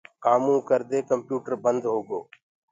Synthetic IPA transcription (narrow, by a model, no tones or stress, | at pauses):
kaːmũːkəɾd̪eːkəmpjuːʈəɾbənd̪ɦoːɡoː